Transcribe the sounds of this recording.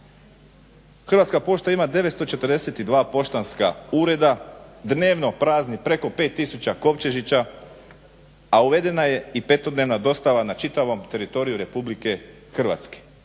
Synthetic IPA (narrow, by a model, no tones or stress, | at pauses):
xr̩ʋat̪skapo̞ʃt̪aimad̪e̞ʋet̪st̪o̞t͡ʃe̞t̪r̩d̪e̞set̪id̪ʋaːpo̞ʃt̪anskauːɾe̞d̪ad̪ne̞ːʋno̞pɾaːznipɾe̞ko̞pe̞ːt̪ːisut͡ɕako̞ʋt͡ʃe̞ʒit͡ɕa | auʋe̞d̪e̞naje̞ipe̞t̪o̞d̪neʋnad̪o̞st̪aʋanat͡ʃit̪aʋo̞mt̪e̞ɾit̪o̞ɾijuɾe̞publike̞ | xr̩ʋa̰t̪ske̥